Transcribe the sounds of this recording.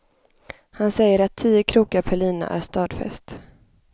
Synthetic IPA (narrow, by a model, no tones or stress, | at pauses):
hansɛjːəɾat̪ʰːiːəkʰɾuːkapʰɛɭiːna̰ʔæ̰ɾst̪ɑːd̪fɛ̰st̪